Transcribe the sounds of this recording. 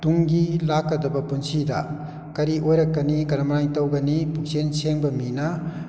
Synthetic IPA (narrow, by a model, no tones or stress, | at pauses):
tuŋɡilakːɐdɐbɐpunsidɐ̰ | kɐɾiʔojɾɐkːɐnikɐɾɐmɐɾaŋtɐwɡɐnipuk̚senseŋbɐminɐ